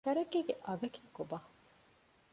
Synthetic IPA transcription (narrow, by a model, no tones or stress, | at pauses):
k̪ɐɾɐkiːɡeʔɐɡeki̥ːkobaː